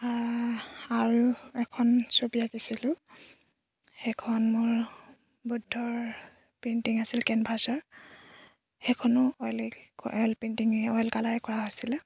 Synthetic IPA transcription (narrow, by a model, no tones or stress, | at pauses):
aɹ | aɹuɛkʰɔnsobijakisilʊ | xɛkʰɔnmʊɹ | budʱːɔɹ | pentiŋasilkɛnbʱaɹsɔɹ | xekʰɔnɔɔjlɔjlpintiŋɔjlkalaɹɛkɔɹaɦojsilɛ